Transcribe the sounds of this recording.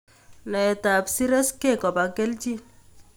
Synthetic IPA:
lɛ˨ɛ˨ta˨bsi˦ɾe˦ske˦˨kɔ˨ba˨ɡe˦ld͡ʒi˦

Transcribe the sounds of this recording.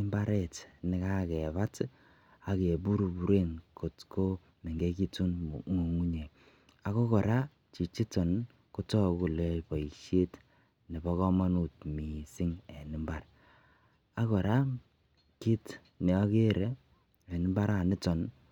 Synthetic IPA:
ɪ˦mba˦ɾe˦˨tnɪ˦ka˦kɛ˨ba˦t | a˨ke˨bu˦ɾu˨bu˨ɾe˦nko˨tkʰo˦ | mi˨ŋɡe˦ki˦tu˦nŋu˨ŋu˦ɲe˨ | a˨ko˦kɔ˨ɾa˦ | t͡ʃi˨t͡ʃi˦tɔ˨n | ku˦tɔ˦ku˨le˨pɔ˨i˨kʃe˦t | ni˨bɔ˦kɔ˦ma˦nu˨tmi˨sɪ˦ŋe˨nɪ˦mba˨ɾ | a˦kɔ˨ɾa˦ | ki˦t | ne˨ɔ˦ke˦ɾe˦ | e˨nɪ˦mba˦ɾa˨nɪ˦tɔ˨n

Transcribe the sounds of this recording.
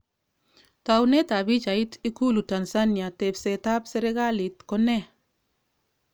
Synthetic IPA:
ta˨wnɛ˦ta˨bi˦d͡ʒa˨i˦ti˦ku˦lu˨ta˨nsa˦ni˨a˨tɛ˨bsɛ˨ta˦psɛ˦ɾe˦ɡa˦li˨tkɔ˦nɛ˦

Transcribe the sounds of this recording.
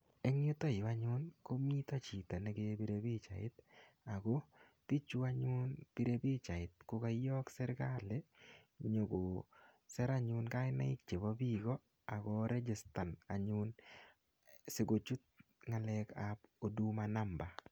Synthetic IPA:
e˦ŋjʊ˦t̪o˦ɪ˨ba˦ɲʊ˦nko˦mi˦t̪a˦t͡ʃi˨t̪a˨ne˨˦ɡe˦bi˦ɾe˦bi˦t͡ʃa̰˨ɪ̰˦t̪ | a˨ɡo˦ | ti˦t͡ʃu˦a˦ɲʊ˦npi˦ɾe˦bi˦t͡ʃa˨ɪ˨t̪̚ko˦ka˦jɔ˦ksɛ˦ɾɡa˦le˦ɲo˨ɡo˨sɛ˦ɾa˦ɲʊ˦nka˦ɪ˦na̰˦ɪ˦k̚t͡ʃe˨bɔ˦bi˦ɡɔ˦ | a˨ɡɔ˦ɾe˦d͡ʒɪ˨sta˨na˨ɲʊ˦n | se˨ɡo˨t͡ʃu˦t̪̚ŋa˨lɛ˧kapo˨du˦ma˨na˦mba˨

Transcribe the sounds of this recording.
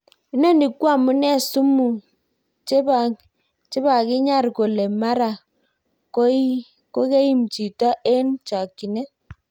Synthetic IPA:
i˦ne˦˨ndi˨kwa˦˨mu˦nɛ˦˨su˦mu˨ | t͡ʃb | t͡ʃe˦ba˨ki˦ɲa˦˨ɾko˨le˨ma˦ɾa˨ | ko˦ | ko˦ke˦ji˦mt͡ʃi˨tɔ˦ʔe˦nt͡ʃa˨ki˨ne˦

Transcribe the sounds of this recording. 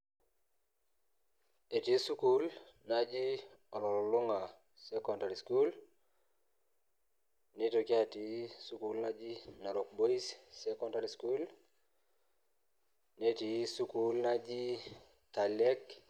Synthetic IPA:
e˨ti˨˦su˦ku˦lna˨d͡ʒi˦ | ɔ˨lɔ˨lɔ˨lʊ˦ŋa˨ | sɛ˦kɔ˦˨nda˨ɾi˨sku˦l | ne˦to˨ki˦a˦ti˨˦su˦ku˦lna˦d͡ʒi˦na˨ɾo˨k̚bo˦i˦sːɛ˦kɔ˦nda˨ɾi˨sku˦l | ne˦ti˨su˦ku˦lna˦d͡ʒi˦ | ta˨lɛ˦k

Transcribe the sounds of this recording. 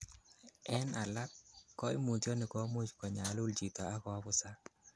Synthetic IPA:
ɛ˦na˨la˦t̚kɔ˦i˦mu˨tɔ˦nɪ˨kɔ˨˦mʊ˦t͡ʃkɔ˨ɲa˨˦lʊ˦lt͡ʃi˨tɔ˨a˦kɔ˨a˦βʊ˦sa˦

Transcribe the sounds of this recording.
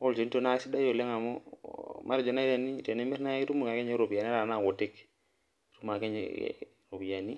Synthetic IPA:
o˦lt͡ʃe˨˦n˦to˦na˦si˦da˦jo˨le˦ŋa˨mo̰˦ma˦ɾd͡ʒɔ˨na˦i˦ɾa˨ni˦˨ɾe˨ne˦mɛ˦ɾna˦i˦ɾu˦mu˨ka˨ke˦ɲe˦ɾo˨bi˨a˨n˦ɾa˨na˦˨ɡo˨ti˦k | ɾu˦ma˨ke˦ɲḛ | ɾo˨bi˨a˨ni˦

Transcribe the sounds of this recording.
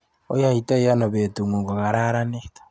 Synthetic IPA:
o˦jahita˦ija˦no˨βetu˨ŋo˨ŋɡo˨ɣa˨ɾa˦ɾanetḁ

